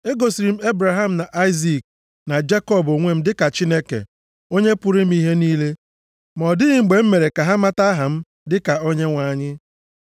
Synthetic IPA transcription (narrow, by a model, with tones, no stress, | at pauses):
e˦ɡo˨si˨ɾi˨m̩˦e˦bɾa˨ɦa˦m̩˨na˨ʔa˦ɪ˦zi˨k̚ | na˨d͡ʒe˦kɔ˦˨bo˨ŋʷe˦˨m̩˦dɪ˦ka˨t͡ʃi˦ne˦kḛ˨ | o˦ɲe˦pʊ˦ɾi˦m̩˦i˦ɦe˦niː˦le˦ | mɔ˨dɪ˦ɣɪ˨ŋ͡m̩˨ɡ͡be˨m̩˦me˨ɾe˨ka˨ɦa˦ma˦ta˦ɦa˨m̩˦ | dɪ˦ka˨o˦ɲe˦ŋʷa˨ɲɪ˦